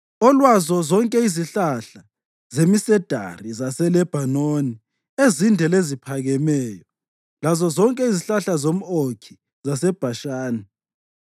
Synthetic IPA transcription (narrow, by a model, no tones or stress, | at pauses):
ɔlwazɔzɔŋkʼɛiziɬaɬa | zemisɛd̥ʱa̰rizasɛlɛb̥ʱanoni | ezindʱɛlezipʰaɣɛmɛːjɔ | lazɔzɔŋkʼɛiziɬaɬazom̩okʰi̥ | zasɛb̥ʱaʃaːni